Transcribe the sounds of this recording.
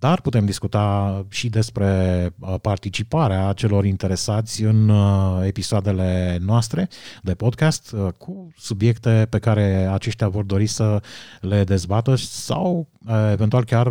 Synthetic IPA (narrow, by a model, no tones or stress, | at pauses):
d̪arput̪e̞md̪iskut̪aʃid̪e̞spɾe̞part̪it͡ʃipaɾeat͡ʃe̞lo̞ɾint̪e̞ɾe̞sat̪sʲɨne̞pisoad̪e̞le̞noast̪ɾe̞d̪e̞po̞d̪kast̪kʰusubje̞kt̪e̞pe̞kaɾe̞at͡ʃe̞ʃt̪eavo̞rd̪o̞ɾisəle̞d̪e̞zbat̪əsa̰w | event̪ualkʲar